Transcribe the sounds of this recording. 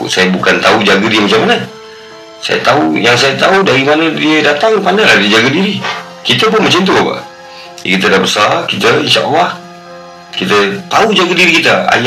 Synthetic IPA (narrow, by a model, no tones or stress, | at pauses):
sajabukant̪aud͡ʒaɡədiəmat͡ʃamana | sa̰ja̰t̪aujaŋsajat̪audaɾimanədiədat̪aŋpandajlahdid͡ʒaɡadiɾi | kit̪əp̬ʊnmat͡ʃənt̪̬uapa̰ʔ | ja̰kit̪̬ədabəsarkit̪əinʃaʔa̰lːɑh | kit̪ət̪aud͡ʒaɡadiɾikit̪aa̰j